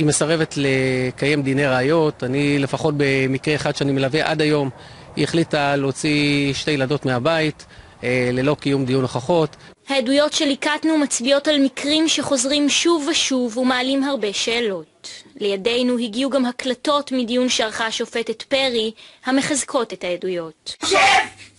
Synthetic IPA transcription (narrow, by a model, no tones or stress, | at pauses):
ime̞saʁevetlekaje̞md̪ine̞ʁaajo̞tanile̞faχo̞t̚be̞mikʁeeχad̥ʃeanimelaveʔa̰dajo̞m | ieχlitaleot͡siʃte̞jlado̞tmeabait | lelo̞kijumd̪ijunaχaχo̞t | hajedujo̞tʃe̞likatnumat͡sbio̞talmikʁimʃeχo̞zʁimʃuvaʃuvumaːlimɦaʁbe̞ʃe̞ːlo̞tle̞jade̞jnuɦiɡiuɡamhaklato̞tmidijunʃeaʁχaʃo̞fe̞tetpe̞ʁihame̞χazkʰo̞tethaedujo̞t